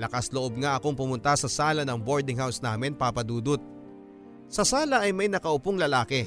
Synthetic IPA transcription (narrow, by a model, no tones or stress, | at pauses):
lɐkɐsloʔo̞b̚ŋaʔɐko̞ŋpʊmʊnt̪asɐsaːlɐnɐŋboɹd̪ɪŋhawsnaːmɪnpaːpɐd̪uːd̪ʊt̪̚ | sɐsaːlɐʔɐjmɐjnɐkɐʊpoŋlɐlaːkɛ